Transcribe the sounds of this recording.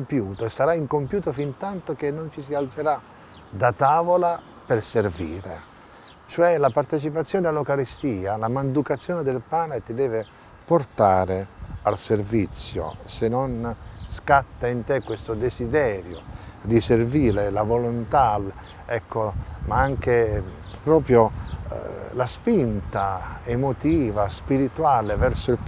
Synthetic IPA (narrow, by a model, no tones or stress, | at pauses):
mpjuːt̪oesaɾaiŋkompjuːt̪ofint̪ant̪ok̟enːont͡ʃisialt̪seɾa | d̪at̪aːvola | perservḭːɾḛ | t͡ʃoɛlapart̪et͡ʃip̬at̪sːjɔːnealːokaɾist̪iːalamand̪ukat̪sːjɔːned̪elpaːnet̪id̪ɛːvɪ | port̪aːɾealservit̪sːjo̰senonskat̪ːaint̪ɛkːwest̪od̪ezid̪ɛːɾjod̪iserviːɾelavolʊnt̪al | ɛkʰːomaaŋk̟epɾɔːpɾjo̰ | laspint̪aemot̪iːvaspiɾit̪waːlevɛrsʊil